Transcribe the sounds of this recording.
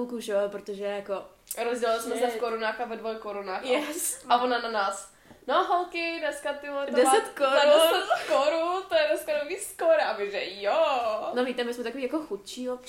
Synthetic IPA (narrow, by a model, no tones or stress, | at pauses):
lkuʒɛpɾot̪oʒɛjako | ɾozɟɛlalɪsmɛsɛfkoɾunaːxavɛdvojkoɾunaːxjɛsavonananaːs | noɦɔlkɪdnɛskat̪ɪɦlɛtddɛsɛt̪koɾudɛsɛt̪koɾunt̪ojɛdɛskanoviːskoɾabɪʒɛjonoviːt̪ɛmɪsmɛt̪akoviːjakoxut̪t͡ʃiːop